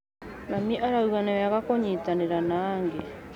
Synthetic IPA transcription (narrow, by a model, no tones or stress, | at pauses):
namiʔaɾauanaakakoɲitaneɾanaːŋɡe